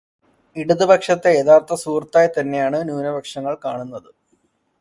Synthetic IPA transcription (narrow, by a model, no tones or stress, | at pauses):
iɽuðɨbɐkʂɐt̪ːe̞eðaːrt̪ːɐsuːrt̪ːaːjɐt̪ɐnːe̞jaːɳɨnjuːnɐbɐkʂɐŋːɐɭkaːɳunːɐðɨ